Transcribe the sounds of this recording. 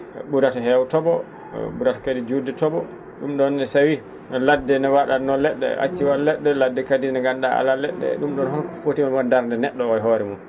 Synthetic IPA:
ɓuɾataɦɛwtɔbɔ | ɓuɾatḁkadid͡ʒudɛtɔbɔ | ɗumɗɔnːɛsawi | nladːɛnɛwaɗanɔlɛɗːɛ̰a̰t͡ʃːiwalːɛɗːɛladːɛkadinɛɡanɗaa̰lalɛɗːɛ̰ɗumɗɔnhɔnkɔ̥fotimamandaɾndɛnɛɗːɔɔjɦɔɾɛmun

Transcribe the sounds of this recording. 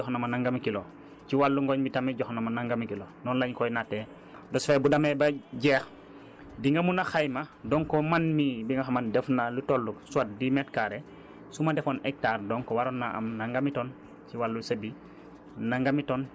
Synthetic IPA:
ɔxnɐmanaŋɡamikilo | ciwalːuŋɡɔɲbitamiɟɔxnamanaŋɡamikilonɔnlaɲkɔjnatɛ | dɔsfɛbudamebaɟɛːx | diŋɡɐmunaxajmadɔŋkɔmanmibiŋɡaxamandɛfnalutolːuksuat̚dimɛtkaɾɛ | sumadɛfonɛk̚taːɾdɔːŋkɔwaɾonːaʔa̰mnaŋɡamitɔn | ciwalːusɐbi | naŋɡamitɔn

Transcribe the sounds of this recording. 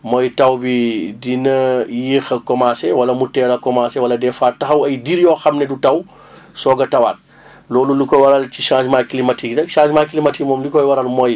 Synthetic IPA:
mɔjtɐwbidinɐjiːxɐkɔmaːsɛwɐlɐmutɛːɾɐkɔmaːsɛwɐlɐdɛfaːtɐxɐwɐjdiɾjɔxɐmnɛdutɐw | sɔɡɐtɐwa̰ːt̚ | lɔːlundikɔjwɐɾɐlciʃãːzmaːklimatʰikdɐkʃãːd͡ʒmaːkilimatikmɔːmlikɔjwɐɾɐlmɔj

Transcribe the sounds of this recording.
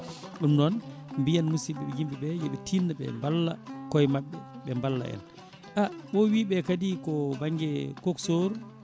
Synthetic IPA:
ɗumnɔnmbijanmusiɓɛɓɛjimbiɓɛjɛɓɛtʰinːaɓɛ̰mbalːa̰kɔjmaɓːɛɓɛmbalːa̰ʔɛ̰n | ʔaɓɔwiːɓɛkadikɔbaŋɡɛkoksoɾu

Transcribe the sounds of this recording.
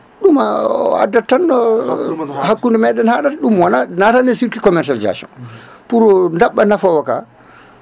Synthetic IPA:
ɗumaa̰datːanːɔ | hakːundɛmɛɗɛnhaɗatɗumwɔnanatandɛsiɾkikɔmɛɾsaliza̰sɔ̰n | puɾɔndaɓːanafɔwaka̰

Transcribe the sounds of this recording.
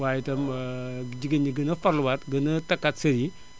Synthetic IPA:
wajitɐm | d͡ʒiɡəniɡɐnɐfɐɾluwatɡɐnɐtɐkːatsɐɾi

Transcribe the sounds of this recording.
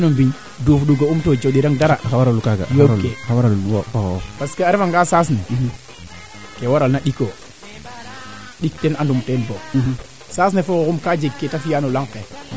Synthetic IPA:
nombiɲ | dofɗuɡaumtod͡ʒoɗiɾaŋdaɾaxawaɾalukaɡa̰jokexawaɾalwofokopaskeaɾifaŋɡasas̬ne | kewaɾalnaɗiko | ɗik̚tenandumtenbo | sas̬nefokokumkad͡ʒeɡkːetafijanolaŋke

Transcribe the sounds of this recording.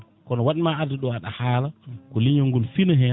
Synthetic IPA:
kɔnɔwaɗimaadɛɗɔaɗa̰haːlakɔliɲɔŋɡɔlfinaɦɛ

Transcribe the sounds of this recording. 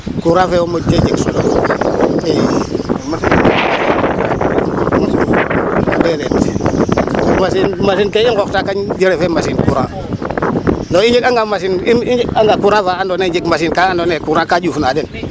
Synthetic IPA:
kuɾafewomoked͡ʒeksulo | emasin | unsuuabelet | masinmasikeiŋkoktakand͡ʒeɾefemasinkuɾa | noind͡ʒikaŋɡamasiniaŋɡakuɾavaandoned͡ʒikmas̬inkaandonekuɾakad͡ʒufnaden

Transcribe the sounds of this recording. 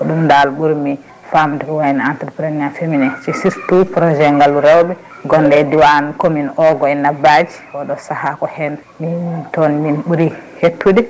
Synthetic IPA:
ɔɗumndalɓuɾmi | famdɛkɔwanantɾpɾeniafeminɛt͡ʃisiɾtupɾɔd͡ʒɛŋɡaluɾɛwbɛ | ɡɔndɛdiwankominʔɔɡɔɛnabad͡ʒiɔɗɔsahakɔhɛn | mitɔnminɓuɾihetʰːudi

